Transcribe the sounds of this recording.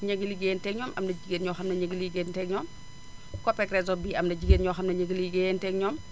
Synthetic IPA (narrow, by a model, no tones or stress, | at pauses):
ɲeɡiliɡentɛkɲɔːmʔɐmnɐɟiɡeːnɲɔxɐmnɐɲeɡliɡentɛɡɲɔːm | kɔpɛkɾɛs̬ɔbiːɐmnɐd͡ʒiɡenɲɔxɐmnɐɲeɡliɡentɛɡɲɔm